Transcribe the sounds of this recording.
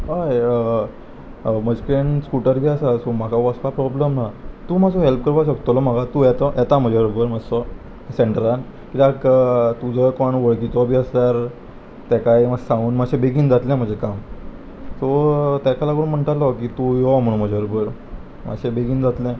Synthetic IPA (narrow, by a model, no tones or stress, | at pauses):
ɦaj | məd͡ʑkɾeɳskuʈəɾɡɛəsasomakʰaʋɔspapɾɔbləmnat̪uːmasɔɦelp̚kəɾbasək̚t̪ɔlɔməɡat̪ujɛt̪ɔʔɛt̪am̤əd͡ʑʱeʋɾobəɾməsɔ | seɳʈəɾan | kit̪akt̪ud͡zəkɔɳʋəɭkit̪ɔbʱiːəst̪aɾ | t̪ɛkajməsãŋɡuːnməɕẽbeɡiːnd͡zat̪lɛ̃m̤əɳd͡ʑekam | sɔt̪ɛkʰalakəɾunm̤əɳʈ̪alɔkit̪ujɔm̤əɽ̃ũm̤əd͡ʑʱeʋɾobəɾ | ma̰ɕẽbeɡiːnd͡zat̪lɛ̃